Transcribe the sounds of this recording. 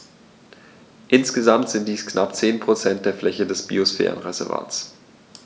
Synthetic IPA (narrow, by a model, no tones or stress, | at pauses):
ʔɪnsɡ̥əzamtz̥ɪnt̚d̥iːsknʔapt͡seːnpʁ̥ot͡sɛnt̚d̥eːɐflɛçədɛsb̥iosfɛ̰ːʁə̰nʁɛzɛɐva̰ːts